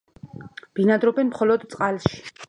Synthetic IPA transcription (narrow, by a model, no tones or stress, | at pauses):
b̥inad̪ɾɔbɛnmχɔlɔd̪t̪sʼqʼalʃi̥